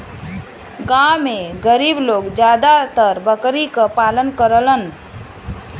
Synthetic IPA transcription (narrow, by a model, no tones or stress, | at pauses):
ɡãmeɡəɾibloɡd͡ʒjad̪at̪əɾbəkɾikəpalənkəɾələn